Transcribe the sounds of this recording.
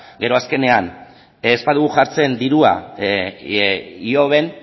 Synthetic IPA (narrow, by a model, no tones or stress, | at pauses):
ɡe̞ɾo̞aske̞ne̞an | espaðuɣ̞uʝaɾt͡se̞nd̪iɾua̰ | io̞β̞e̞n